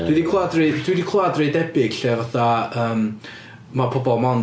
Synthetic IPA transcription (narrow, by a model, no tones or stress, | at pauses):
widikʰwadrɨd̥widikʰwadrɨdɛbɪɡ̥ɬɛvaθaəːm | mapʰɔbɔlˠmɔn